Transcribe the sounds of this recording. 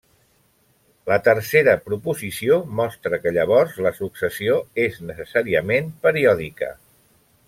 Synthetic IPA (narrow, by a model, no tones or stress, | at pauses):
lət̪əɾseɾəpɾupuzisiomɔst̪ɾəkəʎəβ̞ɔrzləsuksəsioeznəsəsaɾiəmempəɾiɔðikə̰